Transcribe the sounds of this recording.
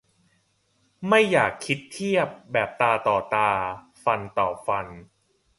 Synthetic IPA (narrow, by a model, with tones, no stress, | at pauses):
ma˥˩jːaː˨˩kʰːi˦˥t̪ʰːi˥˩əp̚bɛː˨˩p̚t̪aː˧t̪ɔː˨˩t̪aː˧ | fa˧nt̪ɔː˨˩p̚fa˧n